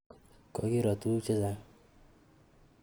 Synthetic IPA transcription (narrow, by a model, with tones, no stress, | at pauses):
kɔ˨ɡi˦ɾɔ˨t̪u˦t͡ʃe˦za˧